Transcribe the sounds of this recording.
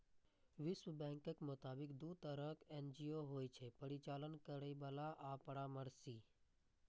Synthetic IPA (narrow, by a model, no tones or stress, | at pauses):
ʋɪsʋəbɛ̃ːŋkəkmʊt̪aːbɪkd̪uːt̪əɾəkʰend͡ʒijoɦoːjt͡ʃʰepəɾit͡ʃaːlənkəɾəjʋaːlaʔapəɽaːməɾsiː